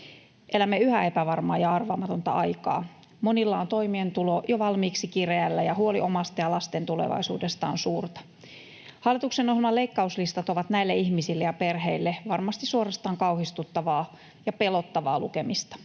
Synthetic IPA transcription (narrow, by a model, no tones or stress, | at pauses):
ʔelæmːeyhæe̞pæʋɑrmɑːjɑɑrʋɑmɑt̪o̞nt̪ɑ̰ʔɑjkɑ̰ː | mo̞nilːɑːnt̪o̞imient̪ulojoʋɑlmiːksikireælːæjɑhuoliʔomɑst̪ɑjɑlɑst̪e̞nt̪ulḛʋɑ̰isṵːdest̪ɑ̰ːnsuːrt̪ɑ̥ | hɑlːˑit̪uksenohilmɑleikːɑuslist̪ɑt̪oʋɑt̪næilːeiçmisilːejɑpe̞rɦeilːeʋɑrmɑst̪isuorɑst̪ɑːŋkɑuhist̪ut̪ːɑʋɑː | jɑpelo̞t̪ːɑʋɑ̰ːlukemist̪ɑ̥